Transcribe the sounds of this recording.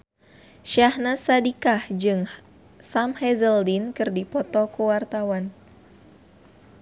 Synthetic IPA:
ʃahnasadikahd͡ʒɨŋ | samhɛzəldinkɨrdipɔt̪ɔkuwart̪awan

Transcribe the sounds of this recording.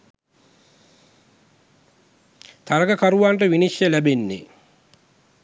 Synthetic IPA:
t̪ʰaɾɐkəkaɾuʋaːnʈəʋiniʃjəlæbenːḛ

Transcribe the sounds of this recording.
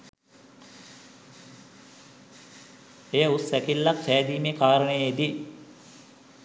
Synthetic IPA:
ejəusːækilːak̚sæːd̪iːmekaːɾəɳəjid̪i

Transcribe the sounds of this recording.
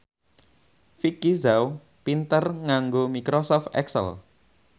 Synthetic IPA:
fikizaw | pint̪ərŋaŋɡomikɾosɔft̪ɛ̰ksə̰l

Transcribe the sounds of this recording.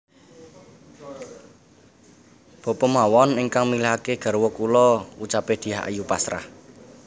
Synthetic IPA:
b̥ɔ̤pɔmawɔniŋkaŋmileɦakeɡ̥a̤ɾwɔkulɔut͡ʃaped̪̥i̤aa̰jupasɾa̰h

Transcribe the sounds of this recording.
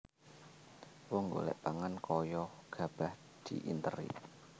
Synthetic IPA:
wɔŋɡo̰lɛ̰ʔpaŋankɔjɔɡ̥a̤b̥ah | d̪̥iʔint̪əɾḭ

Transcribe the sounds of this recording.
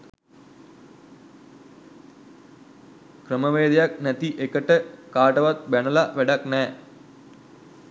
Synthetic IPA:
krəməʋeːd̪ejak̚næt̪iʔekəʈəkaːʈəʋat̪̚bænəlaʋæɖaknɛː

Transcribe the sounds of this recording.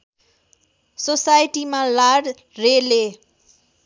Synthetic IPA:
sosajʈimalaɽ | rele

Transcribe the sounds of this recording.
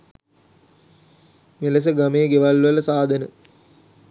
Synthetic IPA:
meləs̬əɡameːɡeʋalʋələsaːd̪ənə

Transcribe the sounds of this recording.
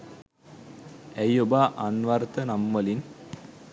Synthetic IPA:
æjobaːʔanʋart̪ənamːəlin

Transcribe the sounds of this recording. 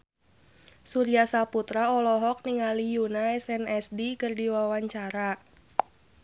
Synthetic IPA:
suɾiasaput̪ɾaɔlɔɦɔk̚niŋalijunaɛsɛnɛsdikɨrdiwawaɲt͡ʃaɾa

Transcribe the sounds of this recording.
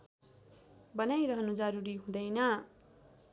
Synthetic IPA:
bʌnajɾʌɦʌnud͡zʌɾuɾiɦũd̪ʌjnʌ

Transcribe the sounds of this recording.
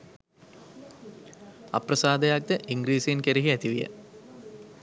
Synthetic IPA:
a̰prɐsaːd̪ɐjak̚d̪əʔiŋɡɾiːsiinkeɾiɦiæt̪iʋijə̰

